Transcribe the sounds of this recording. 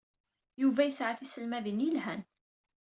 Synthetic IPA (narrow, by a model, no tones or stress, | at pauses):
juvæjəsʕaθisəlmæðənjəlhæn